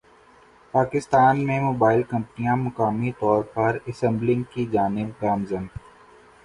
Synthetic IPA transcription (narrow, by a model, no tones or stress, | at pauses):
paːkɪst̪aːnmẽmoːbaːɪlkɐ̃mpnijãmʊkaːmit̪ɔːɾpɐɾɐsɛ̃mblɪ̃ŋɡkid͡ʒaːnɪb̚ɡaːmzən